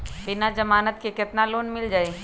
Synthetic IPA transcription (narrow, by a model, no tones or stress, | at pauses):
bɪnad͡ʒɐmaːnət̪̚kekɪt̪naloːnmɪld͡ʒaːe